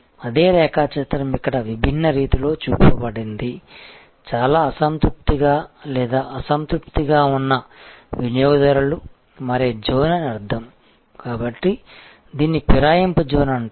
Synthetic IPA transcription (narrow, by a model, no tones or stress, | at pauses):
ɐd̪e̞ːɾɛːkaːt͡ʃɐt̪ɾɐmikːɐɽɐʋibʱinːɐɾiːt̪ilo̞ːt͡ʃuːpɐbɐɽind̪i | t͡ʃaːlaːɐsɐnt̪ɾup̚t̪iɡaːlɛːd̪aːʔɐsɐnt̪ɾup̚t̪iɡaːunːɐʋinɐjoːɡɐd̪ɐɾulu | mɐɾed͡ʒoːnɐnɐɾd̪ʱɐm | kaːbɐʈːi | d̪iːnːipiɾaːjɐmpud͡ʒoːnɐɳ